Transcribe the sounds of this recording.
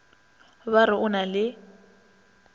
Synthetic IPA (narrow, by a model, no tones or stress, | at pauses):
βaɾɪʔʊnalɪ